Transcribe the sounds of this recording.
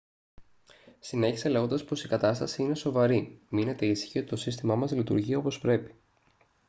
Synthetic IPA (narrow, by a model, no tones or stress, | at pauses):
sine̞çise̞le̞ɣo̞nd̪ɐspo̞sikɐt̪ɐst̪ɐsiine̞so̞vɐɾimine̞t̪e̞isçio̞t̪i̥t̪o̞sist̪imɐmɐzlit̪ṵɾʝiɐo̞po̞spɾe̞pi̥